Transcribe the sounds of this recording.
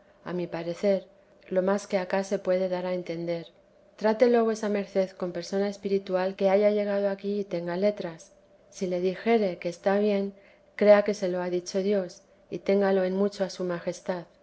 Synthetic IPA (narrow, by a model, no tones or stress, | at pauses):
a̰mipaɾe̞θe̞ɾ | lo̞maske̞akase̞pwe̞ðe̞ðaɾae̞nt̪e̞nd̪e̞ɾ | t̪ɾat̪e̞lo̞βwesame̞ɾθe̞ðko̞mpe̞ɾso̞naespiɾit̪walke̞aʝaʝe̞ɣ̞að̞o̞akiːt̪e̞ŋɡale̞t̪ɾasː | ile̞ðixe̞ɾe̞ke̞ːst̪aβje̞ŋ | kɾe̞ake̞se̞lo̞aðit͡ʃo̞ðjo̞s | it̪e̞ŋɡalo̞e̞nmut͡ʃoasumaxe̞st̪að